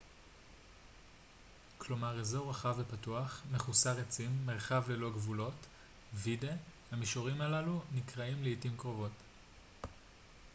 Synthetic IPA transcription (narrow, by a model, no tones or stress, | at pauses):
kʰlo̞maʁezo̞wʁaχavepatuaχmeχusaʁet͡simːeʁχavlelo̞ɡvulo̞t | videhamiʃoʁimalalunikʁaimleitimkʁo̞vo̞t